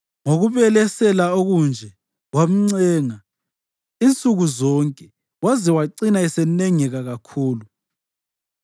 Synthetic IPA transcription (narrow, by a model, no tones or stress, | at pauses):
ŋoɣuβɛlɛsɛlaoɣund͡ʒʱɛ | wam̩ŋ͡ǀɛːŋa | int͡sʼuɣuzɔŋkʼɛ | wazɛwaǀinaɛsɛneŋɛɣaɣakʰuːlu